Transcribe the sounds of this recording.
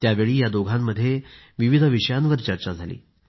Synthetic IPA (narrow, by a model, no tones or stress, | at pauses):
t̪jaʋeɭiːjad̪oɡʱamːəd̪ʱːjeʋiʋid̪ʱəʋiʂəjãnʋəɾt͡ɕəɾt͡ɕad͡zʱalḭː